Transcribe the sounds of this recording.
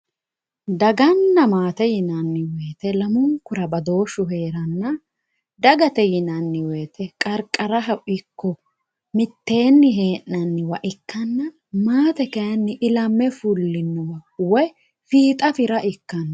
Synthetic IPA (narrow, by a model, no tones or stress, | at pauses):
d̪ɐɡɐnːɐmaːt̪ɛjɪnɐnːɪweːt̪ɛlɐmʊŋkʊɾɐbɐd̪o̞ːʃʊɦe̞ːɾɐnːɐ | d̪ɐɡɐt̪ɛjɪnɐnːɪweːt̪ɛkʼɐɾkʼːɐɾɐɦɐwɪkːɔ | mɪt̪ːe̞ːnːɪɦe̞ːʔnɐnːɪwɐʔɪkːɐnːɐ | maːt̪ɛkɐjɐnːɪʔɪlɐmːɛfʊlːɪnːʊwɐwɔj | fiːt̪ʼɐfɪɾɐʔɪkːɐnːɐ